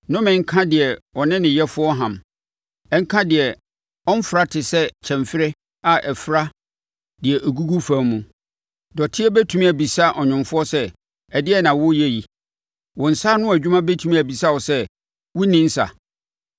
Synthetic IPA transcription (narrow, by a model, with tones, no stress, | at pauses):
nʊ̃˦mɪ̃˨ŋ̩˦kʰã˦dɪ˨ɛ˨wɔ˨nɪ̃˦nɪ̃˨jɛ˦fʊ˦ɔ˦ɦã˨m | ɛ˦ŋ̩˦kʰã˦dɪ˨ɛ˨ | ɔ˦m˦fʊ˨ɾa˦tʰɪ˨sɛ˦t͡ɕʰɛ̃˨mfɪ˦ɾɪ˦ | a˨ʔɛ˨fɾa˦ | dɪ˨ɛ˨ʔo˨ɡu˦ɡu˦fã˦mũ˨ | dɔ˨tʰɪ˦ɛ˦bæ˦tʰu˦mĩ˦˨æ˨bi˨sa˦ʔɔ˨ɲɪ̃˨mfʊ˦ɔ˦sɛ˦ | ɛ˨dɪ˦ɛ˦nã˨wʊ˦jɛ˦ji˨ | wɔ̃˨n̩˨sa˦nʊ̃˦æ˨d͡ʑᶣu˦mã˦be˦tʰu˨mĩ˦æ˨bi˨sa˦wɔ˨sɛ˦ | wʊ˦nĩ˦n̩˦sa̰˨